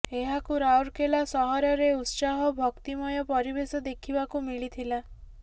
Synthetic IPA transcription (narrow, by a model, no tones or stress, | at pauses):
eɦakuɾawɾkelasɔɦɔɾɔɾeut̪saɦɔbʱɔkt̪imɔjɔpɔɾibesɔd̪ekʰibakumiɭit̪ʰila